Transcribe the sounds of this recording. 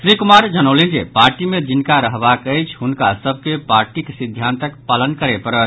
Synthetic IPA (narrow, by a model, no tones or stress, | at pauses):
sɾikumaɾd͡ʒənəwlind͡ʒḛpaɾʈimed͡ʒinkaɾəɦbakəjt͡ʃʰɦunkasəb̚ʱkepaɾʈiksid̪ʱːant̪əkpalənkəɾepəɾə